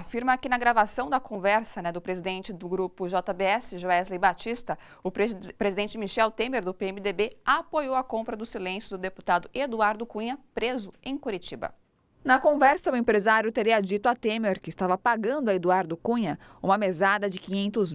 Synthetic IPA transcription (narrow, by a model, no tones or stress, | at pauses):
afiɾmɐkɪnɐɡɾavasɐ̃w̃d̪ɐkõvɛɾsɐnɛd̪ʊpɾezid̪ẽnt͡ʃɪd̪ʊɡɾupʊʒɔt̪ɐbeɛsɪʒoɛzlejbat͡ʃist̪ɐ | ʊpɾezid̪ẽnt͡ʃɪmiʃɛwt̪ẽmeɾd̪ʊpeemid̪ebeapojowɐkõpɾɐd̪ʊsilẽsjʊd̪ʊd̪epu̥t̪ad̪ʊʔed̪uaɾd̪ʊkũɲɐpɾezʊẽj̃kuɾit͡ʃibɐ̰ | nɐkõvɛɾsɐʊẽpɾezaɾjʊt̪eɾiɐd͡ʒit̪ʊɐt̪ẽmeɾkɪːst̪avɐpaɡɐ̃nd̪ʊɐed̪uaɾd̪ʊkũɲɐ | ṵ̃mɐmezad̪ɐd͡ʒɪkĩɲẽnt̪ʊz